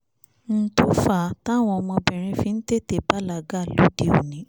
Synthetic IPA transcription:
n̩˦to˦fa˦˨˦ta˦˨w̃ɔ̃˧ɔ˧mɔ̃˧bɛ˨ɾ̃ĩ˧fĩ˧n̩˦te˦˨te˦˨ba˦la˨ɡa˦˨lo˦di˦˨o˨nĩ˨˦

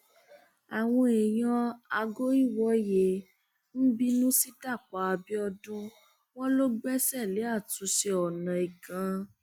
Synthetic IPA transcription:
a˨w̃ɔ̃˧e˨j̃ã˧a˧ɡo˦i˦˨wɔ˨˦je˧˦ | n̩˦bi˦nũ˦si˦da˦˨k͡pa˨˦a˧bi˦ɔ˧dũ˦ | w̃ɔ̃˦lo˦ɡ͡bɛ˦sɛ˦˨le˨˦a˦˨tũ˨˦ʃe˧ɔ˨nã˨i˨ɡã˨˧

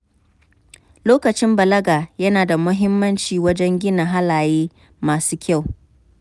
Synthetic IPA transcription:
loː˦kɐ˨t͡ʃɪ˦mbɐ˨lɐ˦ɡaː˨jɐ˦naː˨da˨mʊ˦ɦɪ˦mːɐ˦nt͡ʃiː˨wɐ˦d͡ʒɛ˦ŋɡʲɪ˦na˨ɦa˦laː˨jeː˦ | maː˨suː˦kʲa˦˨w

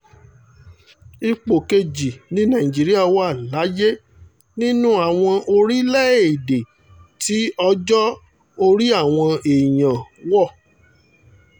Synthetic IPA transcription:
i˧k͡po˨ke˧d͡ʒi˨nĩ˨˦nã˦˨ĩ˨d͡ʒi˨˦ɾi˦a˦˨wa˦˨la˨˦je˦ | nĩ˦nũ˦a˦˨w̃ɔ̃˧ʔo˧ɾi˦lɛ˦˨e˨de˨ | ti˨˦ɔ˧d͡ʒɔ˦ | o˧ɾi˦a˦˨w̃ɔ̃˧e˨jã˨wɔ˦˨

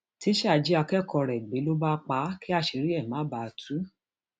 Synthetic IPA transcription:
ti˦ʃɛ˦a˨d͡ʒi˦a˧kɛ˦˨kɔ˧ɾɛ˨ɡ͡be˨˦lo˦ba˦k͡pa˦ki˦a˦˧ʃe˧ɾi˦ɛ˦˨mã˨˦ba˨tʰu˨˦

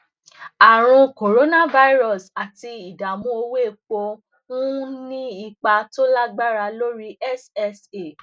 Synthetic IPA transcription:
a˨ɾ̃ũ˧ko˨ɾo˦nã˦˨va˧˦i˦ɾɔ˦˨sa˨ti˧i˨da˨mũ˦o˧we˦˨k͡po˧ | ũ˦nĩ˦i˧˨k͡pa˧to˦la˦ɡ͡ba˦ɾa˧lo˦ɾi˦ʔɛ˦sɛ˦se˨

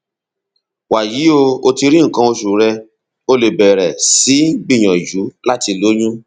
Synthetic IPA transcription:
wa˨ji˨˦o˧o˧ti˧ɾĩ˦ŋ̩˨kã˧o˧ʃu˨ɾɛ˧ | o˧le˨bɛ˨ɾɛ˨si˨˦ɡ͡bĩ˦˨j̃ɔ̃˨d͡ʒu˨˦la˦ti˧lo˨˦ɲũ˦

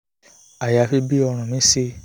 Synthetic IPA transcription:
a˨ja˨fi˧bi˦ɔ˧ɾ̃ũ˨mĩ˨˦si˧

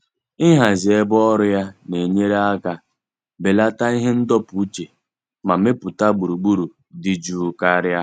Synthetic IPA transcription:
ɪ˦ɦa˨zɪ˨e˦bɔ˦ɾʊ˦ja˦ne˨ɲe˦ɾe˦a˦ɡa˦ | be˨la˦ta˦i˦ɦe˦n̩˦dɔ˦pu˨u˦t͡ʃe˨ | ma˨me˦pʊ˨ta˦ɡ͡bu˨ɾu˨ɡ͡bu˦ɾu˨ | dɪ˦d͡ʒu˦ka˦ɾja˦

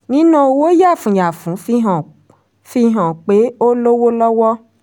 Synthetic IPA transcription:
nĩ˦nã˧o˧wo˦ja˦˨fũ˨ja˨fũ˨˦fi˦ɦɔ̃˨ | fi˦ɦɔ̃˨k͡pe˨˦o˦lo˦wo˦lɔ˦wɔ˦

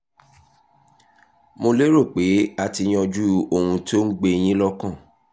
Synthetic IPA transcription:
mo˧le˦ɾo˦˨k͡pe˨˦a˧ti˧j̃ɔ̃˧d͡ʒu˦o˧˨hũ˧to˦ŋ̩˦ɡ͡be˦˧j̃ĩ˦lɔ˦kã˦˨

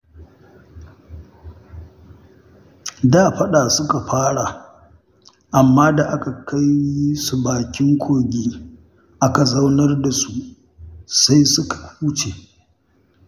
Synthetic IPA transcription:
da˦˨ɸɐ˦ɗaː˨sʊ˦ka˨ɸaː˦ɽa˨ | ʔa˨mːaː˦da˨ʔa˦ka˨kʰa˦ji˦su˨baː˨kʲɪ˦ŋkʷʰoː˨ɡʲiː˦ | ʔa˦ka˨za˦wnɐ˦rda˨su˨ | sa˦jsʊ˦kʰḁ˨uː˦t͡ʃe˨

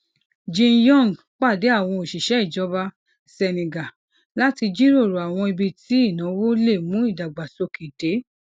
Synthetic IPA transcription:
d͡ʒĩ˧njɔ̃˦˨n˨ | k͡pa˦˨de˨˦a˦˨w̃ɔ̃˧o˨ʃi˨ʃɛ˨˦i˦˨d͡ʒɔ˨˦ba˧ | sɛ˧nĩ˨ɡa˨ | la˦ti˧d͡ʒi˦ɾo˦˨ɾo˨a˨w̃ɔ̃˧i˧bi˧ti˨˦i˦˨nã˨˦wo˦le˦˨mũ˨˦i˦˨da˨ɡ͡ba˨so˧kʰi˨de˨˦

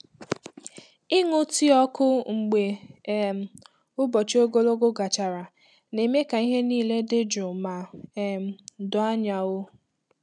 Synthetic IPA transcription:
ɪ˦ŋʊ˦ti˦ɔ˦kʊ˦ŋ͡m̩˨ɡ͡be˨m̩˨ | ʊ˦bɔ˨t͡ʃo˦ɡo˦lo˦ɡo˦ɡa˨t͡ʃa˨ɾa˨ | ne˨me˦ka˨i˦ɦe˦niː˦˨le˦dɪ˦d͡ʒʊ˨ma˨m̩˨dʊ˨a˦ɲa˨wʊ˦

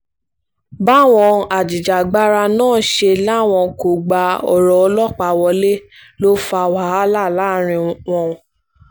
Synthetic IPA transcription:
ba˦˨w̃ɔ̃˧a˨d͡ʒi˨d͡ʒa˨ɡ͡ba˦ɾa˧nãː˦˨ʃe˧la˦˨w̃ɔ̃˧ko˨ɡ͡ba˧ɔ̰˨ɾɔ˨ɔ˧lɔ˦˨k͡pa˧˨wɔ˧le˦ | lo˦fa˧wa˨ɦa˦la˦˨la˨˦˨ɾ̃ĩ˧wɔ̃˧ũ˧

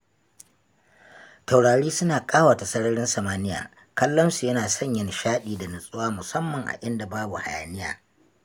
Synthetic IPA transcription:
ta˨wɽaː˨ɽiː˦sʊ˦naː˨kʼaː˦waː˨ta˨sɐ˦ɽɐ˦ɽɪ˦nsɐ˨maː˦nɪ˦ja̰ː˨ | kɐ˦lːɐ˦nsu˨jɐ˦naː˨sɐ˦˨ɲjɐ˨nʃaː˦ɗiː˨da˨nɪ˨sʼʊ˦waː˦mʊ˨sɐ˦mːɐ˨ŋʔa̰˨ʔɪ˦nda˨baː˦bu˨ha˨ja̰ː˨nɪ˦ja̰ː˨

